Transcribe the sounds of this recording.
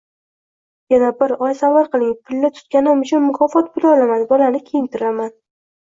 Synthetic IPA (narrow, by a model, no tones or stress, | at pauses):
janabɪɾɒjsavaɾqɨlˠɪŋpʰːɪlːat̪ʰʊ̥t̪̚kʲanɪmʊt͡ʃʰʊnmʊkʰɒfɒt̪̚bʊlɒlamad̪ɪbɒlanɪkʲʰejɪnt̪ʰɪɾaman